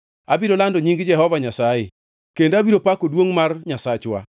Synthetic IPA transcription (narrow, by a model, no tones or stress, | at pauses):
abiɾolandoɲiŋɡd͡ʒɛɦɔvaɲasaje | kendabiɾopakodwoŋmarɲasat͡ʃwa̰